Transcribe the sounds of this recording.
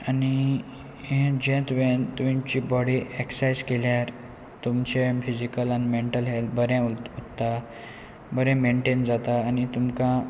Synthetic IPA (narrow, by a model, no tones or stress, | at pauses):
ani | ɦɛ̃d͡ʑɛ̃t̪uʋẽt̪uʋĩt͡ɕibɔɽieksajd͡zkeljaɾ | t̪umt͡ɕefid͡ʑikəlanimeɳʈəlɦelbəɾɛ̃ott̪ːa | bəɾɛ̃meɳʈend͡zat̪aːñit̪umkã